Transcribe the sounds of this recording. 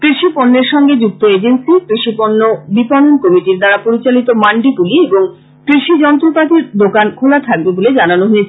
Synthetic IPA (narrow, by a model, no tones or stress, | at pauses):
kɾiʃiponːeɾʃɔŋɡed͡ʑuk̚t̪oed͡ʑensikɾiʃiponːobipɔnonkɔmiʈiɾd̪aɾapoɾit͡ɕalit̪omaɳɖiɡulieboŋ | kɾiʃid͡ʑɔnt̪ɾopat̪iɾd̪okankʰolat̪ʰak̚beboled͡ʑananoɦoet͡ɕʰe